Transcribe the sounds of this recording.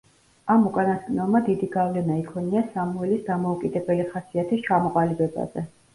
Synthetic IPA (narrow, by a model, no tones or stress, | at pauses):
amukʼanasɡʼnɛlˠmad̪id̪iɡavlɛnaikʰwɛniasamuɛlisd̪amɔukʼid̪ɛbɛliχasiat̪ʰist͡ʃʰamɔqʼalibɛba̰zɛ